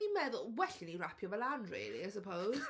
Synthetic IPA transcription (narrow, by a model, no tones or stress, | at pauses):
imɛðʊlˠwɛɬɪniɾapʰjɔvɛlanrḭːlˠḭajs̬əpʰowz